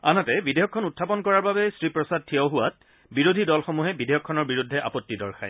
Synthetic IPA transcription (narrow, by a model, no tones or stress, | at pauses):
anatɛbidejɔkʰːɔnutʰːapɔnkɔɹaɹbabɛsɹipɹɔsad̚tʰijawɦʊat̚ | biɹodʱidɔlxomuɦɛbidejɔkʰːɔnɔɹbiɹudʱːɛʔa̰pɔtːidɔɹxʰaj